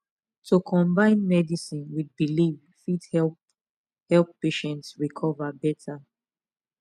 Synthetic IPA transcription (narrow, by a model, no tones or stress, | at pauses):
tʰukʰɔ̃mbãɪ̃nmɛdisĩnwid̚biliv | fidhɛl | hɛlˠpːeʃɛ̃ntsɹikʰɔvabɛtʰa